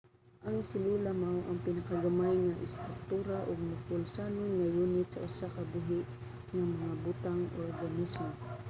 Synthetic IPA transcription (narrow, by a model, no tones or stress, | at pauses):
ʔaŋsɪlulamawʔɐŋpɪnakaɡamajŋaʔɪ̰st̪ɾʊk̚t̪uːɾaʔʊɡ̚mʊkʊlsaːnʊnŋajuːnɪt̪̚sɐʔʊsakɐbuɦɪʔ | ŋamɐŋabʊt̪aŋɔɾɡanismo